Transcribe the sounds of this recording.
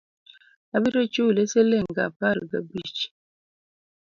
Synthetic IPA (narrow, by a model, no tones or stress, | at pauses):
abiɾot͡ʃulɛselɛŋɡa̰paɾɡa̰bit͡ʃi̥